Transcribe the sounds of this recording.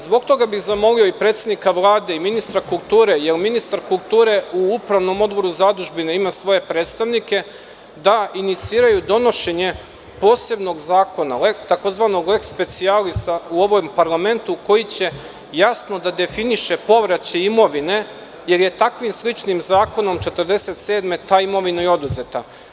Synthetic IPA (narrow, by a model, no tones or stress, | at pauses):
zbo̞ɡ̚t̪o̞ɡabiɣzamo̞lio̞ipɾet̪sed̪nikaʋlˠaːd̪e̞iminist̪ɾakulˠt̪uːɾe̞jelminist̪aɾkulˠt̪uːɾe̞uupɾaʋno̞mo̞d̪̚bo̞ɾuzad̪uʒbineimasʋo̞je̞pɾet̪st̪aʋnike̞ | d̪ainit̪siːɾajud̪o̞no̞ʃe̞ɲe̞ | po̞ːse̞bno̞ɡzaːko̞nalekt̪ako̞zʋaːno̞ɡle̞kspe̞t̪sialist̪auo̞ʋompaɾlˠame̞nt̪uko̞jit͡ɕe̞ | jasno̞d̪ad̪e̞finiʃe̞po̞ʋɾat͡ɕeimo̞ʋine̞ | jelje̞t̪akʋimslˠit͡ʃnimzaːko̞no̞mt͡ʃe̞t̪əɾd̪e̞se̞t̪se̞ːd̪me̞t̪aːimo̞ʋinajo̞d̪uze̞t̪a